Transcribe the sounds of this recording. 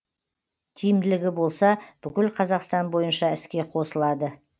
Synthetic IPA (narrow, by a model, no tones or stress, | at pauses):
t̪ʲʰijɪmd̪ɪlɪɡʲɪbo̞lˠsɑb̥ʏkʲɪlqʰɑzɑqst̪ɑnbo̞jənʃɑɪskʲe̞qʰo̞səlˠɑd̪ə